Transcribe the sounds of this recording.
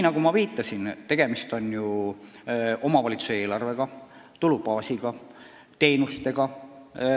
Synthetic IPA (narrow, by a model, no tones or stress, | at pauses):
nɑɡumɑviːt̪ːˑɑsint̪e̞ɡ̥e̞mist̪o̞nju | o̞mɑvɑlit̪su̥see̞ːlɑrve̞ɡ̥ɑ | t̪ulupɑːsiɡ̥ɑ | t̪e̞ːnust̪e̞ɡ̥ɑ